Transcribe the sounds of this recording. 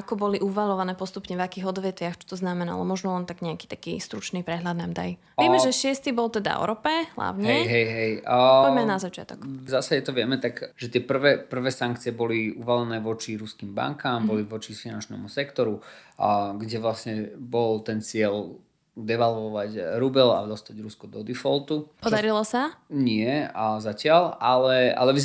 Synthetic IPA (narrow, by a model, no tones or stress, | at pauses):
akɔbɔliʔuʋalɔʋanɛːpɔst̪upɲɛvakiːɣɔd̪ʋɛt̪ʋɪaxt͡ʃɔ̥t̪ɔznamɛna̰lɔ̰mɔʒnɔlɛnt̪aɡɲɛaki̥ːt̪akḭːst̪ɾut͡ʃnipɾɛɦʎad̪namd̪a̰jʋɛmɛʒɛʃɪɛst̪ibɔlˠt̪ɛd̪a̰ɔ̰ɾɔpɛɦla̰ʊɲɦɛɛɦɛjɦɛjɔɛɛmɛanazat͡ʃɪa̰t̪ɔ̰kzasaɟɛt̪ɔʋɪɛmɛt̪aɡʒ̥ɛt̪ɪɛpr̩ʋɛpr̩ʋɛːsaŋkt͡siɪɛbɔliuʋalɛnɛːʋɔt͡ʃiɾuskimba̰ŋkaːmbɔliʋɔt͡ʃifinant͡ʃnɛ̰musɛkt̪ɔɾu | ɡɟɛʋlasɲɛbɔlt̪ɛnt͡sɪɛl | d̪ɛʋalʋɔʋaɟɾubɛla̰d̪ɔst̪aɟɾuskɔd̪ɔd̪ifɔlt̪upɔd̪aɾilɔsaɲɪɛzacɪalalɛa̰lɛʋi